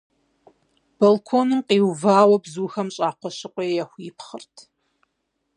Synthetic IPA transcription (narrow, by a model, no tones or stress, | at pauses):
b̥olkʰoːnɨmqiːwvaːwɐbzuːxɐmɕʼaːqʷɔɕɪqʷʼɔjjɛxʷiːpχərtʰ